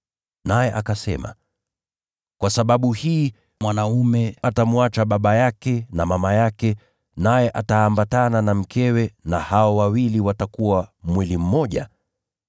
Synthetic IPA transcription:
najɛʔakasɛ̰ma̰ | kwasaɓaɓuhiː | mwanaumɛatamuat͡ʃaɓaɓajakɛnamamajakɛ | najɛʔataːmbatananam̩kʰɛwɛnahaɔwawiliwatakuwamwilim̩mɔʄa̰

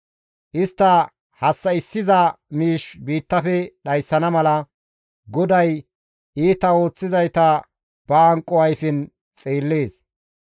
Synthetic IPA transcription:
ʔɪst̪ːɐ | hɐsːɐɪsːɪzɐmiːʃbiːt̪ːɐfɛɗɐjsːɐnɐmɐlɐ | ɡɔd̪ɐj | iːt̪ɐo̞ːt͡sːɪzɐjt̪ɐ | b̥ɐːŋkʼːɔwɐjfɪn | t͡sʼeːlːeːs

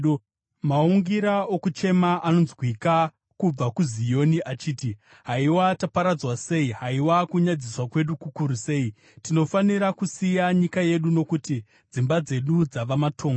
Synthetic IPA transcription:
mauŋɡiɾaokut͡ʃe̞maʔano̞nzwwika | kub͡vakuzijo̞niʔat͡ʃiːti | ɦaiwatapaɾad͡zwase̞iɦaiwakuɲad͡ziswakwe̞ɗukukuɾuse̞i | tino̞faniɾakusijaɲikaje̞ɗuno̞kuti | d͡zimbad͡ze̞ɗud͡zaʋamatʰo̞ːŋɡo

